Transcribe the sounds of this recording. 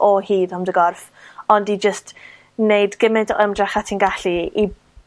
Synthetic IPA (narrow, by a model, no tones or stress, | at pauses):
ʔɔhiːðhɔmdəɡɔrf | ɔndid͡ʒəst | nejdɡ̥ɪmɨdəmdraχatʰinɡaɬii